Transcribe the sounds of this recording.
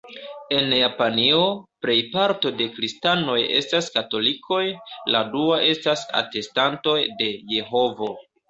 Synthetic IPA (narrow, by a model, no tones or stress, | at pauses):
e̞njapanio̞pɾe̞jpaɾto̞de̞kɾistano̞je̞̰staskato̞likʰo̞jladuaʔe̞stasa̰te̞stanto̞jde̞je̞ɦo̞vo̞